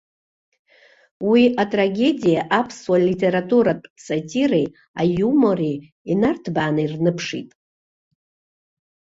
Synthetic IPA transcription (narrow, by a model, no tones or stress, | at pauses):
wiʔatʼraɡʲe̞dʲijaʔapʰswalitʰʼe̞ɾatʼuɾapʼsatʰʲirej | a̰jumo̞rej | inartʰbaːnɨirnɨpʰʂḭtʼ